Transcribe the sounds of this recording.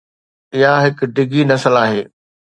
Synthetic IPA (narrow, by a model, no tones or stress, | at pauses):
ɪɦaɦɪkʊ̆ɖɪɡinɐsəlaːɦeː